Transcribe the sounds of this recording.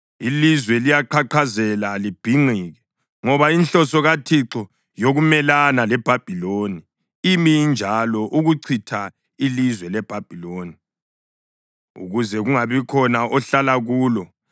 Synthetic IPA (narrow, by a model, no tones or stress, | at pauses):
ilizwɛlijaǃʰaǃʰazɛlalib̥ʱiŋ͡ǀʱiːɣɛ | ŋɔβainɬɔsɔɣatʰiǁɔ | joɣumɛlanalɛb̥ʱab̥ʱiloni | imind͡ʒʱalɔʔuɣuǀʰitʰa | ilizwɛlɛb̥ʱab̥ʱiloːni | ṵɣuzɛɣuŋaβikʰɔnaʔɔɬalaɣuːlɔ